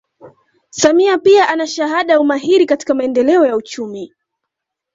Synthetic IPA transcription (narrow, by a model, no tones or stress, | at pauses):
samiapiaʔanaʃaɦaɗaumaɦiɾikati̥kamaɛndɛlɛɔjaut͡ʃumi